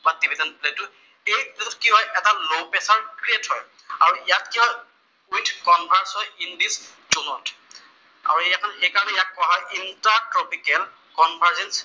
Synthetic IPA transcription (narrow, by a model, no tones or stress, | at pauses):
batibidɛnpletʊ | ejpletɔtkiɦɔjʔɛtalopɛsaɹkɹietɦɔj | aɹuijat̚kiɦɔj | ujntʰkɔnbʱaɹsɔjindis | d͡ʒɔnɔtʰ | a̰ɹuejakʰɔnejkaɹɔnɛjat̚kɔaɦaʔintaɹtɹɔpikɛl | kɔnbʱaɹzɛns